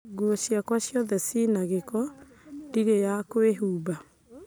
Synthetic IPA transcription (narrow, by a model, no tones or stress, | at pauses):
ɡwoɕjakwaɕjɔðɛsinaɣekɔ | diɾejakoeɦuːba